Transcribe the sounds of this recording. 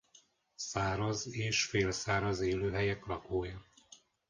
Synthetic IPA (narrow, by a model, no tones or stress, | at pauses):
saːɾɒzeːʃfeːlsaːɾɒzeːløːɦɛjɛklɒkoːjɒ